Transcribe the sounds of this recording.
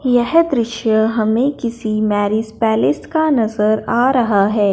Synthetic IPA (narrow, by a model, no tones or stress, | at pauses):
jɛɦd̪ɾɪʃjəɦɐmẽkɪsimɛːɾɪspɛːlɪskanɐzəɾaːɾɐɦaɦɛː